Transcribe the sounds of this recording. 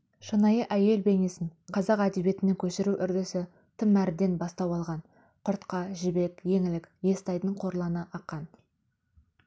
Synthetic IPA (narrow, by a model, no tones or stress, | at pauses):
ʃənɑjəʔæje̞lbe̞ne̞sɪnqʰɑzɑqæd̪e̞bje̞t̪ɪnekʲʰɵʃɪɾuʔʏɾd̪ɪsɪ | t̪ʰəmːæɾɪd̪e̞nbɑst̪ɑwɑlˠʁɑn | qʰʊɾt̪qɑʒɪbe̞kje̞ŋɪlɪkje̞st̪ɑjd̪əɴqʰo̞ɾlˠɑnəʔɑqːɑn